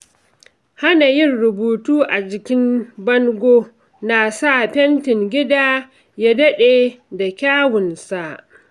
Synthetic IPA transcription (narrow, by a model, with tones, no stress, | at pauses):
ha˦na˨jɪ˦˨rɽʊ˨buː˨tuː˦ʔa˨d͡ʒɪ˨kʲɪ˦mbɐ˦ŋɡʷoː˦ | na˨sa˦˨ɸɛ˦ntɪ˨ŋɡʲɪ˦daː˦ | ja˦dɐ˦ɗeː˨da˨kʲaː˦wʊ˨nsa˨ʔ